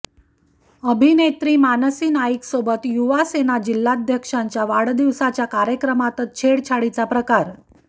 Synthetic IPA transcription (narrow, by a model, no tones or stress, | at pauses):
əbʱinet̪ɾiːmansiːnaiksobət̪juʋasenad͡ʑilːad̪ʱjəkʂaɲt͡ɕjaʋaɽd̪iʋsat͡ɕjakaɾjəkɾəmat̪ət̚t͡ɕʰeɽt͡ɕʰaɽit͡sapɾəkaɾ